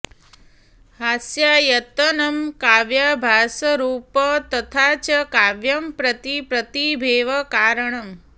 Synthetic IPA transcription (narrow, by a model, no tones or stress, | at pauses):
haːsjajɐt̪ɐnɐmkaːʋjabʱaːsɐɾuːpɐt̪ɐt̪ʰaːt͡ʃɐkaːʋjɐmpɾɐt̪ipɾɐt̪ibʱeːʋɐkaːɾɐɳɐm